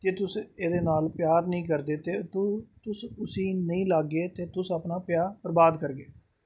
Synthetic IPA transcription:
d͡ʒeːt̪ʊseːd̪eːnaːlpjaːɾnəĩːk̬əɾd̪eːt̪eːt̪ʊt̪ʊsʊsĩːnəĩːlaːɡːeːt̪eːt̪ʊsəpnaːpjaːpəɾbaːd̪kəɾɡeː

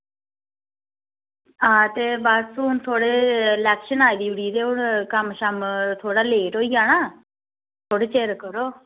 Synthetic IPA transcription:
ãːt̪eːbaːd̪sũːʊnt̪ʰoːɽeːlɛːkʃənaːid̪iːʊɽiːɾeːʊɽkəmʃəmt̪ʰoːɽaːleːʈɦoːiːaːnaː | t̪ʰoːɽeːt͡ʃeːɾkəɾoː

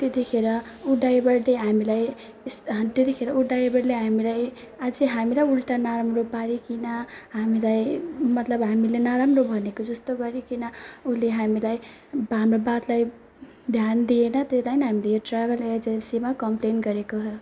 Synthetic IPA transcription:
t̪et̪ikʰeɾʌ | uɖajbʌɽleɦamilaj | st̪et̪ikʰeɾʌuɖajbʌɽleɦamilaj | ad͡ziɦamilajulʈanaɾamropaɾikinʌɦamilajmʌt̪lʌbɦamilenaɾamrobʱʌnekod͡zʌst̪oɡʌɾikinʌuleɦamilaj | banrobat̪laj | d̪ʱjand̪ienʌt̪eslajnɦamilejoʈraɡʌled͡zensimakʌmplenɡʌɾekoɦʌ

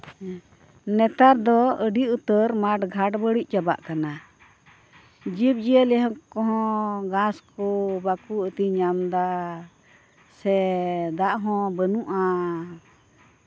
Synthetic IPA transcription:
nɛt̪aɾd̪ɔəɖiʔut̪əɾmaʈɡʱaʈbəɽic̚ˀd͡ʒaba̰ʔkana | d͡ʒib̚d͡ʒiəlɛɦɔ̃kɔɦɔ̃ɡãskɔbakuət̪iɲamd̪a | sɛd̪aʔɦɔ̃bənuʔa

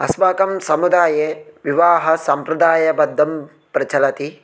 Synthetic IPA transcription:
ɐ̰sbaːkɐmsɐmud̪aːjeːʋiʋaːɦɐsɐmpɾɐd̪aːjɐbɐd̪ʱːɐm | pɾɐt͡ʃɐlɐt̪i

